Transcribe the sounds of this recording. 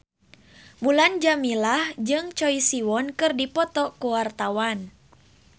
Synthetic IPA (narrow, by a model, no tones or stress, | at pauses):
buland͡ʒamilahd͡ʒɨŋt͡ʃɔisiwɔnkɨrdipɔt̪ɔkuwart̪awan